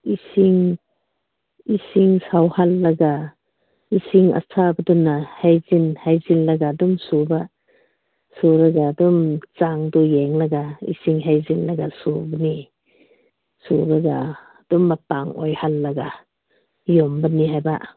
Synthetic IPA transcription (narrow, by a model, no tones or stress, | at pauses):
isiŋ | isiŋsawhalːaɡa | isiŋa̰sʰabadunahajzinhajzillaɡadumsuba | suɾaɡadumt͡ʃaŋdujɛŋlaɡaḭsiŋɦajzinlaɡasubani | subaɡa | d̥umːapaŋɔ̰jhalːaɡa | jɔmbaniɦajba̰